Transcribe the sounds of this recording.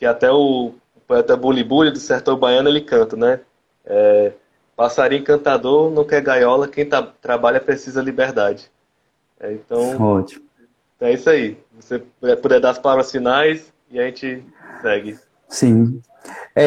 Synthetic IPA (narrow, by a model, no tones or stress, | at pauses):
kɪat̪ɛʊ | poɛt̪ɐbulibulɪd̪ʊseɾt̪oɾbajɐ̃nʊelɪkɐ̃t̪ɐnɛ | ɛ | pasaɾiẽkɐ̃t̪ad̪oɾnɐ̃w̃kɛɾɡajɔlɐkẽj̃t̪at̪ɾabaʎɐpɾesizɐlibeɾd̪ad͡ʒɪ | ɛ̰ẽt̪ɐ̃w̃ɔt͡ʃi̥m | ɛisɐivoseɛpod̪ɛd̪aɾɐspalavɾɐsfĩnajs | iaʒẽnt͡ʃɪ | sɛɡɪ | sĩ | ɛ